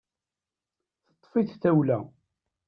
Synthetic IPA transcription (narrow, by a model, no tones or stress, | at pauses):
θə̥t̪ˤːfiθθæwlæ̰